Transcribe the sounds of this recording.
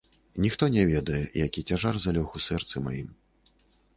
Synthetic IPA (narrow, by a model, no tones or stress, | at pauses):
nʲixt̪ɔnʲɛvʲɛd̪ɐjɛjakʲit͡sʲaʐarzalʲɔxusɛrt̪sɨma̰jim